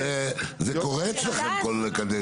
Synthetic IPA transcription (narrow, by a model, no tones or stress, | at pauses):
ezekoʁɛt͡slaχemkolekad̪e